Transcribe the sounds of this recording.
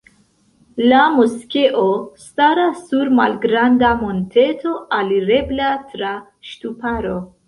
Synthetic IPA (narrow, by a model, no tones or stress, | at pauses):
lamuskeʔostaɾasːuɾma̰lɡɾandamo̞nte̞to̞ʔaliɾe̞blatɾa | ʃtupaɾo̞